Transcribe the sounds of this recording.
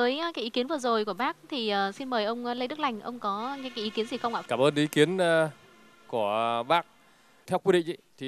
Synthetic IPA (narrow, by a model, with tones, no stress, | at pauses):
vəː˨˦jkaː˨˦jʔi˨˦ki˨˦ənvɨ˨˩ə˩zo˨˩jku˧˩əɓaː˦˥k̚t̪ʰi˨˩ʔəː˨˩si˧nməː˨˩jʔə˧wŋ͡mlə˧jɗɨ˦˥k̚la˧˩jŋ̟ʔə̰˧wŋ͡mkɔ˨˦a˨˦kaː˨˦jʔi˨˦ki˨˦ənzi˨˩xə˧wŋ͡mʔaː˧˨kaː˧˩mʔəː˧nʔi˨˦ki˨˦ən˧ | ku˧˩əɓaː˦˥k̚ | t̪ʰɛ˧wkwi˧ɗḭ˧˨zi˧˨˩t̪ʰi˨˩